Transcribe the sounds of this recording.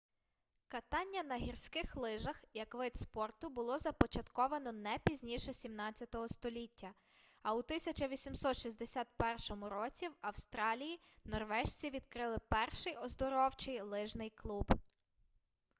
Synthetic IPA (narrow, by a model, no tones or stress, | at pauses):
kɐt̪ɑnʲːɐnɐɦʲirsʲkɪxlˠɪʒɐxjɐkʋɪt̪spɔrt̪ʊbʊlˠɔzɐpɔt͡ʃɐt̪kɔʋɐnɔnɛpʲizʲnʲiʃɛsʲimnɑt͡sʲjɐt̪ɔɦɔst̪ɔlʲitʲːɐ | ɐut̪ɪsʲɐt͡ʃɐʋʲisʲimsɔt̪ʃizʲd̪esʲat̪̚pɛrʃɔmʊɾɔt͡sʲiwɐwst̪ɾɑlʲiji | nɔrʋɛʃt͡sʲiʋʲid̪kɾɪlˠɪpɛrʃɪjɔzd̪ɔɾɔwt͡ʃɪjlˠɪʒnɪjklˠub